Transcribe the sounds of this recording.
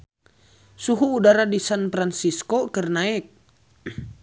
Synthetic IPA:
suɦuːdaɾadisanpɾansiskɔkərnaɛk̚

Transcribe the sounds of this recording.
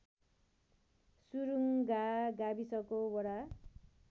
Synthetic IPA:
suɾuŋɡaɡabisʌkobʌɽa

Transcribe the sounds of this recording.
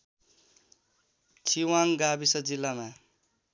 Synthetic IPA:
t͡sʰiwaŋɡabisʌd͡zilːama

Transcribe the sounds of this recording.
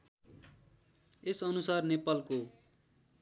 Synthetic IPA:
esʌnusarnepalko

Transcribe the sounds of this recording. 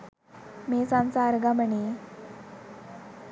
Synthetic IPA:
mesãnt͡saːɾɡaməɳi

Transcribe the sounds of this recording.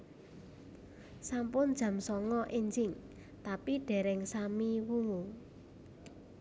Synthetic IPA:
sampʊnd̥ʒ̥a̤msɔŋɔʔeɲd͡ʒɪŋ | t̪apiɖ̥ɛ̤ɾɛŋsamiwuŋu

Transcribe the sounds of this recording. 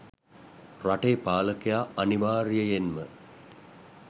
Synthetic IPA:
raʈeːpaːləkejaːaniʋaːɾijəjenmə

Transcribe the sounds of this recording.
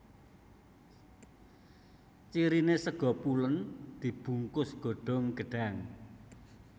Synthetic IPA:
t͡ʃiɾinesəɡ̥ɔ̤pulənd̪̥i̤b̥ṳŋkʊsɡ̥ɔ̤ɖ̥ɔ̤ŋɡ̥ə̤ɖ̥aŋ

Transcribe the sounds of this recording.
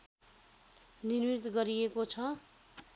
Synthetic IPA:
nirmit̪ɡʌɾijekot͡sʰʌ

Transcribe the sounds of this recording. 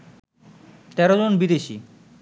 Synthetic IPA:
t̪ɛɾod͡ʑonbid̪eʃi

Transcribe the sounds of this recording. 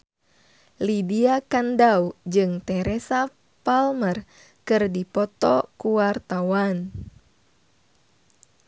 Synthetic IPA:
libiakandaud͡ʒɨŋt̪ɛɾɛsa | palmər | kɨrdipɔt̪ɔkuwart̪awan

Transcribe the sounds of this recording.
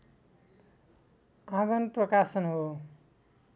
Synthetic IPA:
ãɡʌnprʌkasʌnɦo

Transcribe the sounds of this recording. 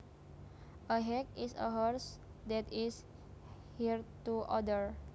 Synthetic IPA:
ʔəɦɛkisə̰ɦɔɾs | d̪ɛt̪is | hiɹt̪uʔɔdəɹ

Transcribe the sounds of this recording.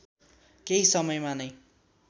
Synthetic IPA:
keɦisʌmʌjmanʌj

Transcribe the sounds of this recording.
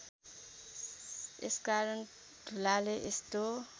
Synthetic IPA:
eskaɾʌn | dʱulaleʔest̪o

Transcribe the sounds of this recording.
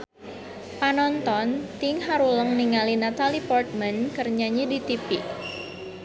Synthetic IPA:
panɔnt̪ɔnt̪iŋhaɾuləŋniŋalinat̪alipɔrt̪̚mənkərɲaɲedit̪ipɪʔ

